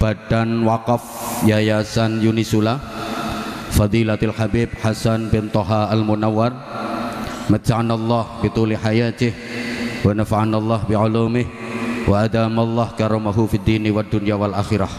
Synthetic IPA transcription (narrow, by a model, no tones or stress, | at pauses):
b̥adanwaqɑfjajasanjunisula | fɑd̪ˤilat̪alħabib̚ħasanbɪnt̪oɦaʔalmunawːar | mat͡ʃaʕanalˤːɑhbit̪uliħajat̪ɪh | wanafaʕanalˤːɑhbiʕʊlumɪh | waʔad̪amalˤːɑhkaɾamaɦufid̪iniwad̪unjawalʔaxiɾah